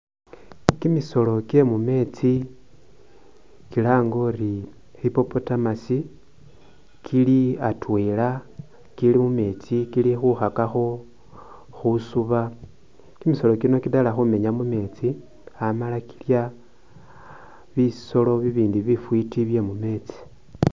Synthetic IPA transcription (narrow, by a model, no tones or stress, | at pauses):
kimiso̞lo̞ke̞mume̞t͡si | kilaːŋɡo̞ri | xipo̞potamasi | kʰiliatweːla | kilimume̞t͡sikilixuxakaxo̞ | xusuβa | kimiso̞lo̞kino̞kidalaxume̞ɲamume̞ːt͡si | amalaki̥lja | βiso̞lo̞βiβiːndiβifwitiβje̞mume̞t͡si̥